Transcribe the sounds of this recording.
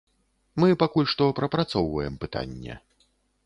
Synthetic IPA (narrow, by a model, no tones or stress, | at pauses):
mɨpakulʲʂt̪ɔpɾɐpɾat̪sɔwvɐjɛmpɨt̪a̰nʲːɛ̰